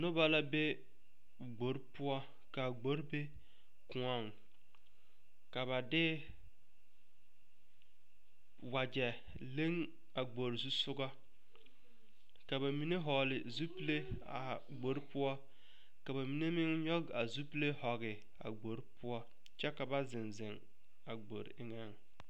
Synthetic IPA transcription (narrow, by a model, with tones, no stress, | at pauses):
nʊ˦ba˦la˦be˦ | ɡ͡bo˨ɾpʊ˦ɔ˦ | ka˨ɡ͡bo˨˦ɾbe˦ | kʊ̃˨a˨ŋ | ka˨βa˨dɪ˦ | wa˨d͡ʒɛ˨ | le˦ŋ | a˨ɡ͡bo˨ɾzu˦sʊ˦ɡa˦ | ka˨ba˨mi˨ne˦ɦɔː˨lɪ˨zu˦pi˦le˦ | a̰˨ | ɡ͡bo˨˦ɾpʊ˦ɔ˦ | ka˨ba˨mi˨ne˦mɪ˦ŋɲɔ˦ɡa˨zu˦pi˦le˦hɔ˨ɣɪ˨ | a̰˨ɡ͡bo˨˦ɾpʊ˦ɔ˦ | t͡ʃɛ˦ka˨ba˦zɪ˨nzɪ˨ŋ | a˨ɡ͡bo̰˨ɾɪ˦ŋɛ˦ŋ